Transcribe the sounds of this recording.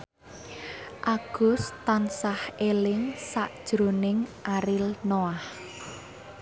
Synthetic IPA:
ʔaɡ̥ʊ̤st̪ansahʔelɪŋsaʔd̥ʒ̥ɾo̤nɪŋʔaɾɪlnoah

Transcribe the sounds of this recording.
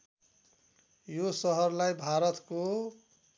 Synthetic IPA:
josʌɦʌrlajbʱaɾʌt̪ko

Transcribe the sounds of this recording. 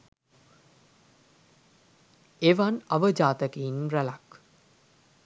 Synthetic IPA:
eʋanɐʋəd͡ʒaːt̪əkenrælak

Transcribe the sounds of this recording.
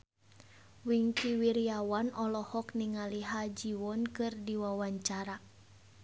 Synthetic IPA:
wiŋkiwiɾiawanɔlɔhɔkniŋaliɦad͡ʒiwɔnkɨrdiwawaɲt͡ʃaɾa

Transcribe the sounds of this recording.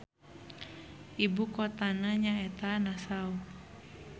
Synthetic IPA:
ibukɔt̪anaɲaɛt̪anasau

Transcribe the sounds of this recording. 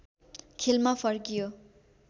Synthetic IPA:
kʰelmapʰʌrkijo

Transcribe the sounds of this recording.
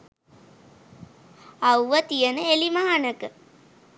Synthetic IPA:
awʋət̪ijənəelimaɦanəkə

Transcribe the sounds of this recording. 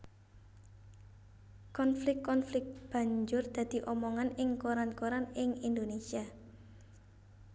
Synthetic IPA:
kɔnflɪkːɔnflɪk̚b̥ä̤ɲd͡ʒʊrd̪̥ä̤d̪̥i̤ʔɔmɔŋanɪŋkoɾankoɾanɪŋind̪onesia

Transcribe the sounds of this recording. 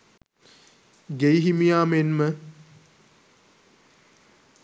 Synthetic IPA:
ɡejɦimijaːmenmə

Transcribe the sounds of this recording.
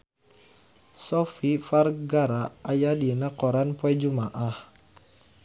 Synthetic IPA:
sɔfifarɡaɾaajadinakɔɾanpɔɛd͡ʒumaʔah

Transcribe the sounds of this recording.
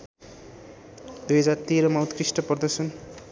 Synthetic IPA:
d̪ujɦʌd͡zart̪eɾʌmawt̪krisʈʌpʌrd̪ʌsʰʌn

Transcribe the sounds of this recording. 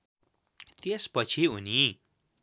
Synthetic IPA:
t̪espʌt͡sʰiɦuni

